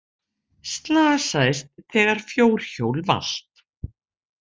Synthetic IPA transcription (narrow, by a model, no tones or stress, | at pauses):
st̪laːsaːjst̪̚θɛːɣaɾ̥fjoːwɾ̥çoːwlva̰l̥t̪